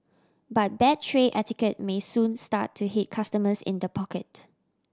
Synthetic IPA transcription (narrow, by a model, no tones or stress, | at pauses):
bat̚bɛt̚tʰːɹeʔɛtɪkət̚mesũnsta̰tʰːuɦit̚kʰastəməsɪ̰̃ndəpʰɔkət̚